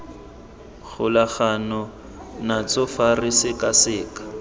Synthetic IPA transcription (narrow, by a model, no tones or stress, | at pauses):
ɣʊlaχanɔ | nat͡sʊfarɪsɪkʼasɪːkḁ